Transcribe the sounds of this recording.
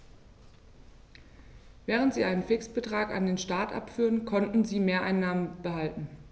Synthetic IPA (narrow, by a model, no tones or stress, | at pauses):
vɛːʁ̞əntz̥iːʔaɪnənfɪksb̥ətʁ̥aːka̰ndeːnʃtaːɐtʔa̰pfyːʁənkʰɔntn̩ziːmeːɐʔaɪnːaːmənb̥əɦaltn̩